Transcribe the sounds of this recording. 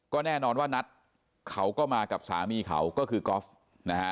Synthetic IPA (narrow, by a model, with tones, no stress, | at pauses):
kɔː˥˩nɛː˥˩nɔː˧nwaː˥˩na˦˥t̪̚ | kʰa˦˥wkɔː˥˩maː˧ka˨˩p̚sa̰ː˩˦miː˧kʰa̰˩˦wkɔː˥˩kʰɯː˧kɔː˦˥f | na˦˥ka˦˥